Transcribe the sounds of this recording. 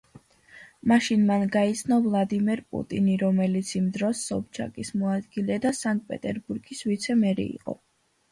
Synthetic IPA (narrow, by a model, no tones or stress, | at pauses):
maʃinmanɡait̪sʰnɔvlˠad̪imɛɾpʼṵt̪ʼiniɾɔmɛlit̪sʰimd̪ɾɔsːɔ̰p̚t͡ʃʰa̰kʼismɔad̪ɡilɛd̪asaŋk̚ʼpʼɛ̰t̪ʼɛɾbuɾɡisvit̪sʰɛmɛɾḭḭqʼɔ̰